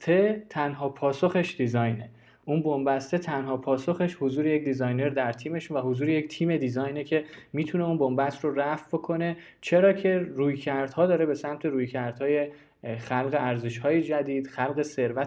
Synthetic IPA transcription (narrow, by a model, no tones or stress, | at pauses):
t̪ʰe̞t̪ʰænɦɒːpʰɒːso̞xe̞ʃd̪izɒjne̞ | ʔunbombæst̪e̞t̪ʰænɦɒːpʰɒːso̞xe̞ʃhozuːɾejec̚d̪izɒjne̞ɾd̪æɾt̪ʰiːme̞ʃunvæɦozuːɾeject̪ʰiːme̞d̪izɒːjnecʰe̞miːt̪ʰune̞unbombæt̪ʰɾoræfbo̞kʰo̞ne̞ | t͡ʃʰe̞ɾɒːcʰe̞ɾuːjcʰæɾd̪̥hɒːd̪ɒːɾebe̞sæmt̪ʰe̞ɾuːjcʰæɾd̪̥hɒːje̞ | xælɣe̞ʔæɾzeʃhɒːjed͡ʒæd̪iːd̪̥xælɣe̞se̞ɾvæ